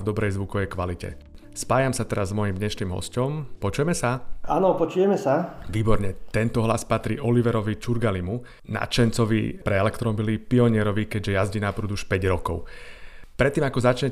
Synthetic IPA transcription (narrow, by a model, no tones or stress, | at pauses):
vd̪ɔbɾɛjzʋukɔʋjɛkʋalicɛ̰ | spaːjamsat̪ɛɾazmɔjimd̪ɲɛʃniːmɦɔ̰scɔmpɔt͡ʃujɛmɛsaanɔpɔt͡ʃujɛmɛsaʋiːbɔɾɲɛt̪ɛnt̪ɔɦlaspat̪ɾḭːʔɔliʋɛɾɔʋit͡ʃuɾɡalimu | na̰t͡ʃɛnt͡sɔʋḭpɾɛɛlɛkt̪ɾɔbilipiɔɲɪɛɾɔʋikɛɟʒɛjazɟiːnapɾuːd̪uʃpɛɟɾɔkɔʊpɾɛt̪ːiːmakɔzat͡ʃɲɛ